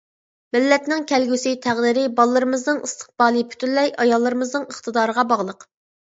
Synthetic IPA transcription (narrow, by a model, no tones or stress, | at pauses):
mɪlːɛt̪nɪŋkʲʰɛlɡʲysɪt̪ʰæʁd̪iɾɪbɑlˠːɨɾɨmɨznɨŋɨst̪ʰə̥q̚b̥ɑːlˠɨpʰy̥t̪ʰynlɛjɑjɑlˠːɨɾɨmɨznɨŋəχt̪ɨd̪ɑːɾəʁɑbɑʁlˠəq